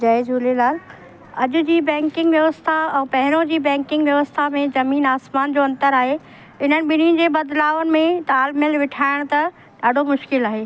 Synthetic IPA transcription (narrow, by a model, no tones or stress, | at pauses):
d͡ʑɐed͡ʑuːlelaːl | ɐʄʊ̆d͡ʑiːbɛ̃ːŋkɪ̃ŋɡʋjɐʋəst̪ʰaɛ̃ːpɐɦɪɾõd͡ʑiːbɛ̃ːŋkɪ̃ŋɡʋjɐʋəst̪ʰamẽzɐmiːnaːsmaːnd͡ʑoːɐ̃nt̪əɾaːɦe | ɪn̤ənɪ̆ɓɪniʊ̃n̆d͡ʑeːbɐd̪laːʋənɪ̆mẽt̪aːlmɪlʋɪʈʰaːɪɽ̃t̪ɐ | ɗaːɖʱomʊʃkɪlaːɦeː